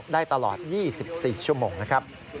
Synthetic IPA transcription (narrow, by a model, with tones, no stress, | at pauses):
daː˥˩jt̪a˧lɔ̰ː˨˩t̪̚jiː˥˩si˨˩p̚siː˨˩t͡ɕʰu˥˩əmoː˧ŋna˦˥kʰɾa˦˥p̚